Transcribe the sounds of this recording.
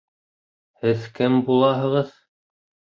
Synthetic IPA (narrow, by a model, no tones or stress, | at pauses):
hɘðkɘmbulˠɑɦɤ̆ʁɤð